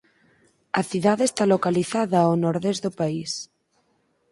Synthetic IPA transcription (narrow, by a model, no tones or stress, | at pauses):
ɐθiðaðest̪alokaliθaðaawnoɾðezðʊpais